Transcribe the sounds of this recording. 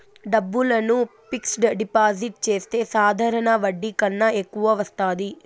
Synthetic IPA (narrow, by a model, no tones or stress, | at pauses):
ɖɐbːulɐnupiksʈɖipaːd͡ʒiʈ̚t͡ʃe̞ːst̪e̞ːsaːd̪ʱaːɾɐɳɐʋɐɖːikɐnːɐekːuʋɐʋɐst̪aːd̪i